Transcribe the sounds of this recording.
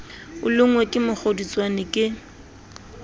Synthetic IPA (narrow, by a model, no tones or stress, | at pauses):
ʊlʊŋwekʼɪmʊk͡xʰodit͡sʼwanɪkʼɪ